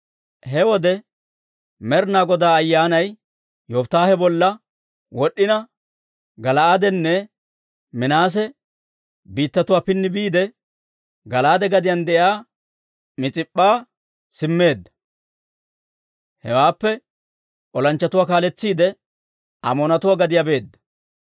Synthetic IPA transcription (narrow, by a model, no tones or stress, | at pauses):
ɦɛwɔd̪ɛ | mɛɾnaːɡɔd̪aːɐjːaːnɐj | jɔft̪aːhɛbɔlːɐ | wɔɗːɪnɐ | ɡɐlɐɐd̪ɛnːɛ | mɪnaːs̬ɛ | biːt̪ːɐt̪ʊwaːpɪnːɪbiːd̪ɛ | ɡɐlaːd̪ɛɡɐd̪ɪjɐnd̪ɛʔjaː | mɪt͡sʼɪpʼːaː | sɪmːe̞ːd̪ːɐ̥ | hɛwaːpːɛ | ʔɔlɐnt͡ʃːɐt̪ʊwaːkaːlɛt͡sːiːd̪ɛ | ɐmɔːnɐt̪ʊwaːɡɐd̪ɪjabe̞ːd̪ːɐ̥